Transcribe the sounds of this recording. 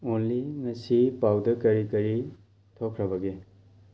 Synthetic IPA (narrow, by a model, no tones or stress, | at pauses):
olːiŋɐsipawdɐkɐɾikɐɾi | tʰokʰɾɐbɐɡe